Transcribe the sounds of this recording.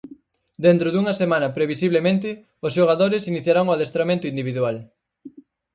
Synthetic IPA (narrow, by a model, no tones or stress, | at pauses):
d̪ent̪ɾʊðuŋɐsemãnɐpɾeβ̞isiβlemẽnt̪̬ɪ | ʊsʃoɣaðoɾɪsiniθjaɾaŋoaðest̪ɾamẽnt̪ʊind̪iβiðual